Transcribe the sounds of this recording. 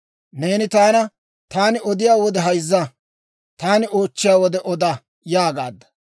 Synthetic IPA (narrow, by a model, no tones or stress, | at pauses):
ne̞ːnɪt̪aːnɐ | t̪aːnɪɔd̪ɪjaːwɔd̪ɛɦɐjzːɐ | t̪aːnɪo̞ːt͡ʃːɪjaːwɔd̪ɛʔɔd̪ɐ | jaːɡa̰ːd̪ːɐ̥